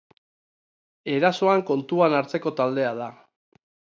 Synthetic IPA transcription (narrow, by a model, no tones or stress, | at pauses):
e̞ɾaso̞aŋko̞nt̪uanaɾt͡se̞ko̞t̪ald̪e̞aða